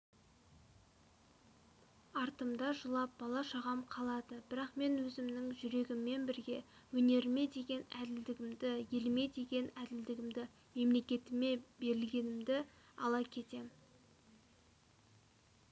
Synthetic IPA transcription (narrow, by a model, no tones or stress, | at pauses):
ɑɾt̪əmd̪ɑʒəlˠɑp̚bɑlˠɑʃɑʁɑmqʰɑlˠɑd̪əbɪɾɑqme̞nwɵzɪmnɪŋʒʏɾe̞ɡʲɪmːe̞nbɪɾɡʲe̞wɵne̞ɾɪme̞d̪e̞ɡʲe̞næd̪ɪld̪ɪɡʲɪmd̪ɪjelme̞d̪e̞ɡʲe̞næd̪ɪld̪ɪɡʲɪmd̪ɪ | me̞mle̞kʲe̞t̪ɪme̞be̞ɾɪlɡʲe̞nɪmd̪ɪ | ɑlˠɑkʲʰe̞t̪e̞m